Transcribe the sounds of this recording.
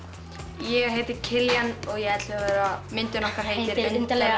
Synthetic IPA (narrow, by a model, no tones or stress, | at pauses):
jɛɣɦeːjt̪ɪɾcʰɪljanɔɣjɛɣɛt̪lɪavɛːɾamɪnt̪ʏnɔhkaɾ̥heːjtt̪ɪɾnt̪lɛ